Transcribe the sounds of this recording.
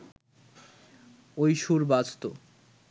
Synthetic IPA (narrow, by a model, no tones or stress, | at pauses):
ojʃuɾbad͡ʑt̪o